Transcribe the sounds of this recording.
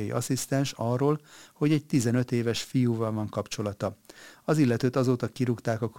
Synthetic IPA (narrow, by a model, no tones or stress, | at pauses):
jḭʔɒsist̪ɛnʃɒrːoːlho̞ɟɛɟ̚t̪izɛnøt̪eːvɛʃfijuːvɒlvɒŋkɒpt͡ʃo̞lɒt̪ɒɒzilːɛt̪øːt̪ɒzoːt̪ɒkiɾukt̪aːkɒk